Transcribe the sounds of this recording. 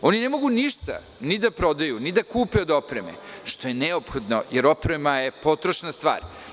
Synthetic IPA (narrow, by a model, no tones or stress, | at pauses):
o̞nine̞mo̞ɡuniʃt̪a̰ | nid̪apɾo̞d̪ajunid̪akuːpeod̪o̞pɾemḛʃt̪o̞je̞neopxo̞d̪no̞jeɾo̞pɾemaje̞po̞t̪ɾoʃnast̪ʋa̰ːɾ